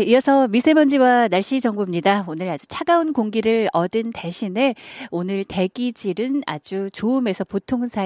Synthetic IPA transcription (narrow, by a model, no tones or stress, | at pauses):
ijʌsʰʌmisʰe̞mʌnd͡ʑiwanaɭɕ͈id͡ʑʌŋbumɲidaonɯɾad͡ʑut͡ɕʰaɡaunkoŋɡiɾɯɾʌdɯnteɕʰine̞onɯɭte̞ɡid͡ʑiɾɯna̰d͡ʑut͡ɕoume̞sʰʌpotʰoŋsʰa